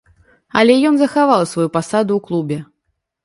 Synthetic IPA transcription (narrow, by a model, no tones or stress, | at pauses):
ɐlʲɛjɔnzɐxavalˠsvajupasad̪uwklˠubʲɛ